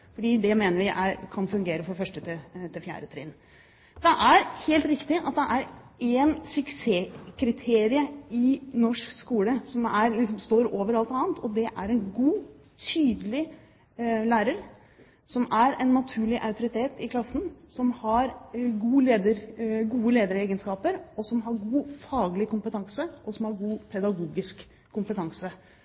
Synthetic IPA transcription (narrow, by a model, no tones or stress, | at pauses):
fɔɖiːd̪ɛmeːnəɾʋɪʔækʰɑnfʉŋɡeːɾəfɔɾfœʂʈət̪ʰɪt̪ʰɪlfjæ̰ːɾət̪ʰɾḭːn | d̪̥ɛʔæɾheːlt̪ɾɪkt̪ɪʔɑt̪̚d̪ɛʔæɾɛnsʉkseːkʰɾɪt̪ʰeːɾɪəɪnɔʂkskuːləsɔmæɾlɪks̬ɔmst̪oːɾoːʋəɾɑlt̪ɑːnt̪ʰɔd̪ɛʔæɾɛnɡuː | t̪ʰyːd̪əlɪ | læːɾəɾ | sɔmæɾɛnːɑt̪ʰʉːɭɪʔɑʉt̪ʊɾɪt̪ʰeːt̪ɪkʰlɑsːn̩sɔmhɑɾɡuːleːd̪əɾɡuːəleːd̪əɾeːɡənskɑːpəɾɔsɔmɦɑɾɡuːfɑːɡlɪkʊmpət̪ʰɑŋsəʔɔsɔmhɑɾɡuːpʰɛd̪ɑɡuːɡɪskʰː | ʊmpət̪ʰɑŋsə